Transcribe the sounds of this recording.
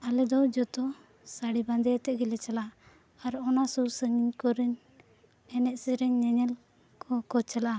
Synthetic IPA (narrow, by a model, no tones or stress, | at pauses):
alɛd̪ɔd͡ʒɔt̪ɔ | saɽiband̪ɛt̪ɛʔɡɛlɛt͡ʃala | aɾɔnasusəɲiɲkɔɾiɲ | ɛnɛʔsiɾɛɲːɛɲɛl | kɔkɔt͡ʃalaa